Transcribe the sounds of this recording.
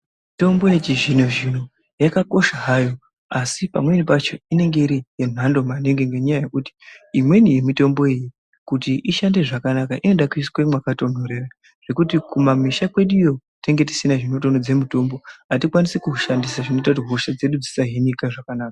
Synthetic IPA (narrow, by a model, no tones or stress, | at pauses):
mito̞mbo̞jet͡ʃiʒin̤oʒin̤o | jakako̞ʃaɦajo̞ | asipa̰mwe̞nipat͡ʃo̞ine̞ŋɡeiɾijen̤ando̞maneŋɡeŋɡeɲajaje̞kuti̥imwe̞nije̞mito̞mbo̞eji | kutiʔiʃande̞ʐakanakaʔino̞ɗakwiskwemwakato̞n̤oɾe̞ra | ʐ̥e̞kutikumamiʃakwe̞ɗujo̞ | teŋɡe̞ti̥sinaʐino̞t̬o̞nod͡ze̞mito̞mbo̞ɦatikwanisekuʃandisaʐino̞t̬autiɦoʃad͡ze̞ɗud͡zisaɦinikaʐakanaːka